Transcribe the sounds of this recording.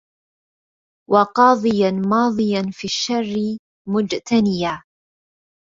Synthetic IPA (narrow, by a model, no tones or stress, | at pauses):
wɑqɑːðˤɨjanmɑːðˤɨjanfiːʃːarːɪ | mʊd͡ʒt̪ʰanɪjaː